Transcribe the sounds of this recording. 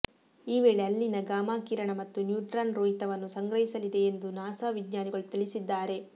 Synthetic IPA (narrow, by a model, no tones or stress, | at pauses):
iːʋeːɭeɐlːinɐɡaːmaːkiːɾɐɳɐmɐt̪ːunjuːʈɾanɾoːɦit̪ɐʋɐnːusɐŋɡɾɐɦisɐlid̪e̞ːnd̪unaːsaːʋiɡɲaːniɡɐɭut̪iɭisid̪ːaːɾe̞